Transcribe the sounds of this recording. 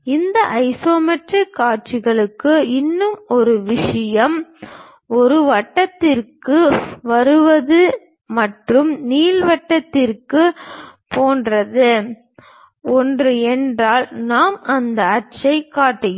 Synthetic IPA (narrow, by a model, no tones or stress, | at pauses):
ɪnd̪ɐʔɐɪsoːmɛʈrɪkːaːʈ̚t͡ʃɪɣɐɭɯkːɯɪnːɯmɔɾɯʋɪʂɐjɐm | ɔɾɯʋɐʈːɐt̪ːɪrkɯʋɐɾɯʋɐðɯ | mɐʈrɯmniːlʋɐʈːɐt̪ːɪrkɯpoːndrɐðɯ | ɔndrɯɛndraːlnaːmɐnd̪ɐɐʈ̚t͡ʃɐɪkːaːʈːɐj